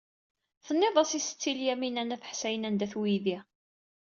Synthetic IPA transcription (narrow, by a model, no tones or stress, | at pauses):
θənːeðˤɑsisə̥t͡sːiljæminænæθə̥ħsæjənænd̪æθwiði